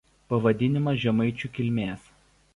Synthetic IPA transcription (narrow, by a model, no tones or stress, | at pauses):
pɐʋɐd̪ʲɪnʲɪmɐsʒʲɛmɐɪt͡ʃʲukʲɪlʲmʲeːs